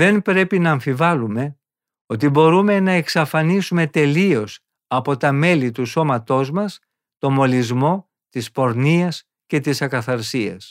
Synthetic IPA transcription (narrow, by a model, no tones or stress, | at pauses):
ðe̞npɾe̞pinɐːɱfivɐlume̞ | o̞t̪ibo̞ɾume̞nɐeksɐfɐnisume̞t̪e̞lio̞s | ɐpo̞t̪ɐme̞lit̪uso̞mɐt̪o̞zmɐs | t̪o̞mo̞lizmo̞ | t̪ispo̞ɾniɐs | ce̞t̪isɐkɐθɐɾsiɐ̰s